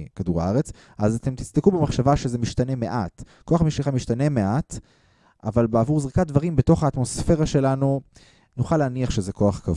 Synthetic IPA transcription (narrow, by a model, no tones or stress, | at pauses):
kaduʁa̰aʁet͡s | ʔazat̪e̞mt̪i̥t͡sd̪ekubemaχʃavaʃezemiʃt̪ane̞me̞ʔat | ko̞aχmiʃliχamiʃtane̞me̞ʔat | a̰valbeavuʁzʁikat̚d̪vaʁimbeto̞χaːtmo̞sfe̞ʁaʃe̞lanu | nuχaleaniaχʃezeko̞aχkav